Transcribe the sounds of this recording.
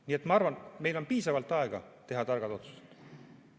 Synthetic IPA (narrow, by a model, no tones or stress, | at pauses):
niːet̪mɑɑrvɑnme̞jlo̞npiːsɑvɑlt̪ːˑɑeɡ̥ɑt̪eɦɑt̪ɑrɡɑd̪o̞t̪su̥set̪